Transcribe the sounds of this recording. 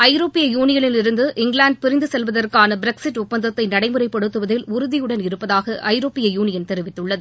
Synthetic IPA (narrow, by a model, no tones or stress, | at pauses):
ɐɪɾoːpːɪjɐjuːnɪjɐnɪlɪɾɯnd̪ɯʔɪŋɡɭaːɳɖ̚pɪɾɪnd̪ɯsɛlʋɐðɐrkaːnɐbɪɾɛksɪʈːʊp̚pːɐnd̪ɐt̪ːɐɪnɐɽɐɪmɯrɐɪpːɐɽɯt̪ːɯʋɐðɪlʊɾʊðɪjɯɽɐnɪɾɯpːɐðaːɣɐʔɐɪɾoːpːɪjɐjuːnɪjɐnt̪ɛɾɪʋɪt̪ːɯɭːɐðɯ